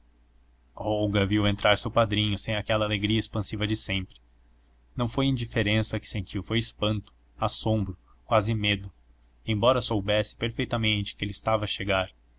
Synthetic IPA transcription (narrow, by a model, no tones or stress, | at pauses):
ɔwɡɐviwẽnt̪ɾaɾsewpad̪ɾĩɲʊsẽj̃akɛlɐaleɡɾiɐespɐ̃sivɐd͡ʒɪsẽmpɾɪ | nɐ̃w̃fojĩd͡ʒifeɾẽsɐkɪ̥sẽnt͡ʃiwfojɪspɐ̃nt̪ʊ̥ | asõmbɾʊ | kwazɪmed̪ʊ | ẽj̃bɔɾɐsowbɛsɪ̥peɾfejt̪ɐmẽnt͡ʃɪ̥kɪelɪst̪avɐːʃeɡaɾ